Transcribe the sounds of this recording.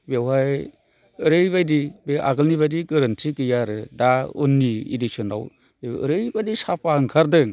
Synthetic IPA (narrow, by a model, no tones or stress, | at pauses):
bewɦaj | ɯɾɯjbajdibeʔa̰ɡɯlniβajdiɡɯɾɯntʰikɯjaɾɯdaṵnːiḭdisɔnaw | beɯ̰ɾɯjbadisapʰaŋkʰaɾdɯŋ